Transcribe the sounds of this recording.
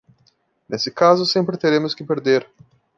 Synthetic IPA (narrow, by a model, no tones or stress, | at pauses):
nesɪkazʊsẽmpɾɪt̪eɾẽmʊskɪpeɾd̪eɾ